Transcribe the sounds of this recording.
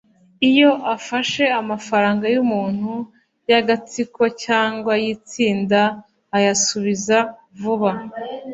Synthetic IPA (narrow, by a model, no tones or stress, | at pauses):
ijo̞ʔafaʃe̞amafaɾaːŋɡajumuːn̥hu | jaɡat͡siko̞caːŋɡwajit͡siːndaː | jasuβiza | vuβa